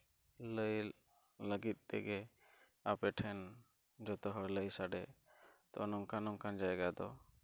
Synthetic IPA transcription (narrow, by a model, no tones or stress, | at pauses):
ləj | ləɡit̪̚ˀt̪ɛɡɛ | apɛʈʰɛn | d͡ʒɔt̪ɔɦɔɽləjsaɖɛt̪ɔ̰nɔŋkʰanɔŋkʰand͡ʒajɡad̪ɔ